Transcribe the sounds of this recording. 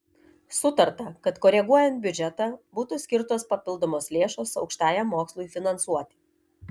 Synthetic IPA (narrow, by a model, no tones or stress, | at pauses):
sʊt̪ɐɾt̪ɐkɐt̪koːɾʲɛɡuɔjɛnt̪̚bʲʊd͡ʒʲɛt̪ɑːbuːt̪uːsʲkʲɪɾt̪oːspɐpʲɪlˠd̪oːmoːslʲeːʃoːsɒʊkʃt̪ɑːjɛmːoːkslˠuɪfʲɪnɐnsuɔt̪ʲɪ̥